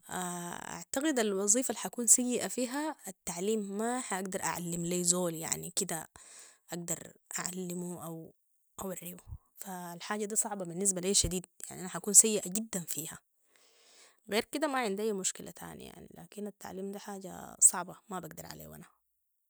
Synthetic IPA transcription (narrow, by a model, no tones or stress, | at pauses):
ʔaʔa̰ʕt̪aɣid̪alwɑzˤiːfalħakuːnsajːɪʔafiːɦaat̪ːaʕliːmːaħaʔaɡd̪ɑɾˤʔa̰ʕa̰lːɪmleːzoːlja̰ʕnikid̪aʔaɡ̚d̪ɑɾˤʔaʕalːɪmuʔaw | ʔawarːibu | falħaːɟad̪iːsˤɑʕbɑbinːis̬baleːʃad̪iːd̪̚ja̰ʕniʔanaħakuːnsajːɪʔaɟid̪ːanfiːha | ɣeːɾkid̪amaʕɪnd̪ʔajːmuʃkila̰t̪ʰa̰ːnḭja̰ʕnḭla̰ːkinat̪ːa̰ʕliːmd̪aħaːɟa̰sˤɑʕbɑmabaɡ̚d̪ɑɾˤʕa̰lḛːwʔa̰na